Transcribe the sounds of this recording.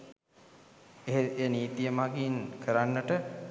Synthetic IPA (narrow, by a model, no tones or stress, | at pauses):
eɦeeniːt̪ijəmaɡinkʰəɾanːəʈə